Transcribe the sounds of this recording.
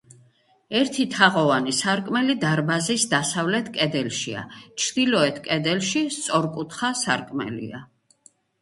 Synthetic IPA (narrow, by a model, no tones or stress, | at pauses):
ɛɾt̪ʰit̪ʰaʁɔvanisaɾkʼmɛlid̪aɾbazisd̪asavlɛt̪ʰkʼɛd̪ɛlʃḭa̰t͡ʃʰɾd̪̥ilɔɛt̪ʰkʼɛd̪ɛlʃist̪sʼɔɾkʼut̪ʰχasa̰ɾkʼmɛ̰lḭa̰